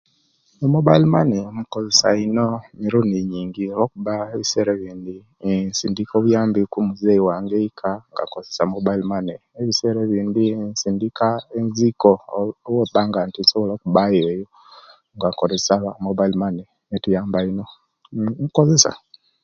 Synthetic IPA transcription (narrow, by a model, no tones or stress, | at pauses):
omobailmanemukozesainomiɾuniɲiːŋɡiɾokuβaeβiseɾeβiːndi | nsindikoβwjaːmbikumuzeiwaːŋɡeikʰaŋɡa̰ŋkozesamobailmane | eβiseɾeβiːndinsindikaenzikowobaŋɡantinsoβolokuβajejo | ŋɡaŋkoɾesamobailmane | netujaːmbaino | mukozesa̰